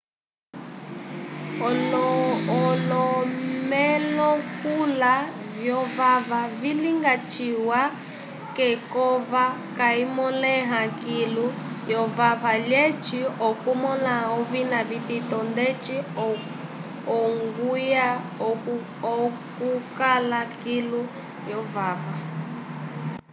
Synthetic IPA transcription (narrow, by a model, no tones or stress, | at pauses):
ɔ | ɔlɔmɛlɔkula | vjɔvavaviliŋɡat͡ʃiwa | kɛkɔvakaimɔlɛɦakilu | jɔvaβaljɛt͡ʃiɔkumɔnaɔβinaβititɔndɛt͡ʃi | ɔŋɡuja | ɔkukalakilu | jɔvava